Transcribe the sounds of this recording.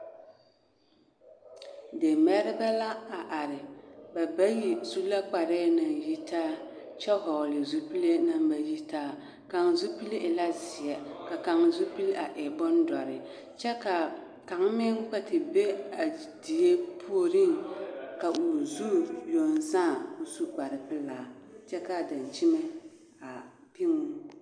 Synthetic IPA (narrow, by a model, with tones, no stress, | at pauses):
de˨mɛ˦ɾɪ˦ba˦la˦a˨ʔa˨ɾɪ˨ba˨ba˦ji˨zu˦la˦k͡pa˨ɾeː˦na˨ji˦taː˦ | t͡ʃɛ˦ɦɔ˨ɣlɪ˨zu˦pi˦le˦na˦mba˨ji˦taː˦ | ka˨ŋzu˦pi˦le˦ʔɪ˨la˦zɪ˨jɛ˦ka˨ka˨ŋzu˦pi˦lʔa˨ʔɛ˨bʊ˦ndɔ˨ɾɪ˨ | t͡ʃɛ˦ka˨ | ka˨ŋ˦mɪ˦ŋ˦ka˨tɪ˨be˦a˨ | di˨je˦pʰu˦o˦ɾɪ˦ŋka˨ʔu˨zu˦jo˨n˨saː˦˨u˨su˦k͡pa˨ɾɪ˨pɪ˦laː˨t͡ʃɛ˦ka˨da˨n˨t͡ʃi˦mɛ˦ | a˨ | pi˦ŋu˦